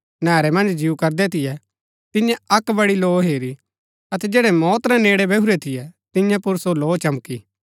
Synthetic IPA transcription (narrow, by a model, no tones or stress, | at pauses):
nɛːɾɛmɐ̃nd͡ʒd͡ʒiukɐɾd̪ɛt̪ʰɪjɛ | t̪ɪ̃jãɐkbɐɽiloːɦeːɾi | ɐt̪ɛd͡ʒeːɽɛmɔːt̪ɾɛneːɽɛbɛuɾɛt̪ʰɪjɛt̪ɪ̃jãpʊɾsoloːt͡ʃɐmki